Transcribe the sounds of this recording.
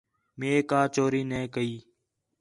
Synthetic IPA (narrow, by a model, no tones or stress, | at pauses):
meːkaːt͡ʃoːɾiːneːkəiː